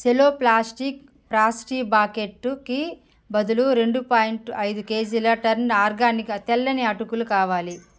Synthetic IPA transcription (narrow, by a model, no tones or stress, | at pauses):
seloːplaːsʈik | pɾaːsʈiːbaːkeʈːuki | bɐd̪uluɾe̞ɳɖupaːjiɳʈɐjd̪uke̞ːd͡ʒulɐʈɐɾnaːɾɡaːnikɐt̪ɛlːɐniɐʈukulukaːʋaːli